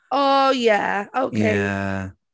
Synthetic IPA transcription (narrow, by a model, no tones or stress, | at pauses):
ojæ̰oʊkʰeɪ